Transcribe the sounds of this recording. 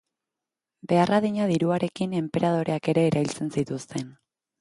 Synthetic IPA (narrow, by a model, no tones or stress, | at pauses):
be̞araðiɲaðiɾuaɾe̞kine̞mpe̞ɾað̞o̞ɾe̞ake̞ɾe̞ːɾaβilt͡se̞nsit̪ust̪e̞n